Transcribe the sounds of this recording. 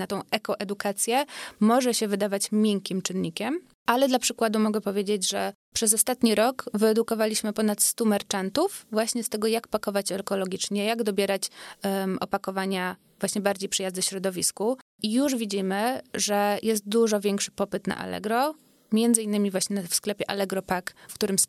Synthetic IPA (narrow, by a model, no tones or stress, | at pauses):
nat̪ɔ̃w̃ɛkɔʔɛd̪ukat̪sʲjɛmɔʐɛɕɛvɘd̪avat͡ɕmʲjɛŋkʲimt͡ʂɘnːɲikʲɛm | ʔalɛd̪lapʂɘkwad̪umɔɡɛpɔvʲjed͡ʑed͡ʑʐɛ | pʂɛzɔst̪at̪ɲiɾɔkvɘɛd̪ukɔvalʲiɕmɘpɔnat̪st̪umɛɾt͡ʂant̪ufvwaɕɲɛst̪ɛɡɔjakpakɔvat͡ɕɛlkɔlɔɡʲit͡ʂɲɛjaɡd̪ɔbʲjɛɾat͡ɕ | ɔpakɔvaɲa | vwaɕɲɛbaɾd͡ʑejpʂɨjazd̪ɛɕɾɔd̪ɔvʲisku | ijuʐvʲid͡ʑimɘʐɛjʔɛs̬t̪̚d̪uʐɔvʲjɛŋkʂɘ̥pɔpɘt̪na̰ʔa̰lɛ̰ɡɾɔ | mʲjɛnd̪zɘinːɘmʲivwaɕɲɛfsklɛpʲjɛʔa̰lɛɡɾɔpakfkt̪uɾɘms